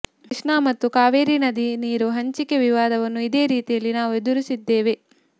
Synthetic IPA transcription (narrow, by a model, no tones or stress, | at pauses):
ʂɳaːmɐt̪ːukaːʋeːɾinɐd̪iniːɾuɦɐɲt͡ʃikeʋiʋaːd̪ɐʋɐnːuid̪e̞ːɾiːt̪ijɐlːinaːʋue̞d̪uɾisid̪ːe̞ːʋe